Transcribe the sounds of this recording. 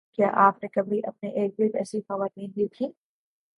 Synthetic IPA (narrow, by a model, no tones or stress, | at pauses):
kjaːʔaːpnẽkɐbʱiʔɐp̚neʔeːk̚bipɛ̰ːsixɐʋaːt̪ĩːnbit̪ʰĩː